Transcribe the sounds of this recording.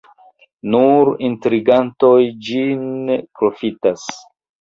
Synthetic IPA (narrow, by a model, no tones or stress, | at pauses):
nuɾintɾiɡantojd͡ʒinpɾo̞fitas